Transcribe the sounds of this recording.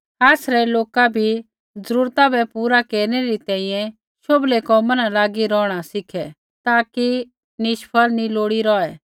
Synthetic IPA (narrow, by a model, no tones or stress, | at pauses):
aːsɾɛloːkabʱi | d͡zɐɾuːɾt̪abɛpuːɾakeːɾnɛɾit̪ɛ̃ːĩjɛ̃ | ʃoblekɔmɐnalaːɡiɾɔːɽ̃asɪkʰɛ | t̪aːki | nɪʃpʰəlnĩloːɽiɾɔːɛ